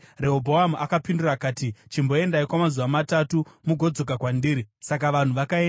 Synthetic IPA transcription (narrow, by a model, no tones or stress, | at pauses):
reɦobʱo̞ɦamuʔakapindurakaːtit͡ʃimbo̞e̞ndaikwamazuʋamatatumuɡʱo̞d͡zo̞k̬akwandiːɾisak̬aʋan̤uʋakaen